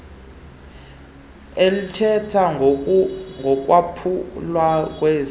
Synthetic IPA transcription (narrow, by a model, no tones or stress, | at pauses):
elitʰɛtʰa | ŋɡʱɔk̬ʼwapʰulwak̬ʼweːz